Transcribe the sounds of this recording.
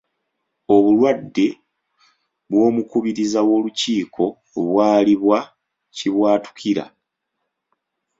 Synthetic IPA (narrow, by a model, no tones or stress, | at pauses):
o̞βulwadːe̞ | βwo̞ːmukuβiɾizawo̞ːluciːkʰo̞ | βwaːliβwa | ciβwaːtu̥kʰiɾa̰